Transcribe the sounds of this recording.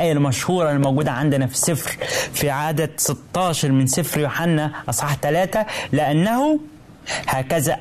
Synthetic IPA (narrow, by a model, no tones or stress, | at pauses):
ʔæːjːælmæʃhuːɾˤɑlːimowɡuːd̪æʕand̪ɪnæfi̥sɪfɾfiʕaːd̪æsɪt̪ːɑːʃɑɾˤmɪnsɪfɾjoħanːæʔɑsˤħɑħt̪ælæːt̪æleʔænːæhu | hæːkæzæ